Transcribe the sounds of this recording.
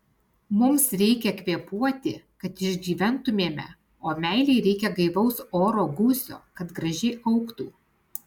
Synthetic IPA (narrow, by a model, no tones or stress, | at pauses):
mʊmsɾʲɛɪkʲɛkʋʲiɛpuɔt̪ʲɪkɐt̪ɪʒʲɡʲiːʋʲɛnt̪ʊmʲeːmʲɛ̰ | oːmʲæˑɪlʲɛɪɾʲɛɪkʲɛɡɐɪʋɒʊsoːɾoːɡusʲo̰ːkɐt̪ɡɾɐʒʲɛɪʔɐʊkt̪uː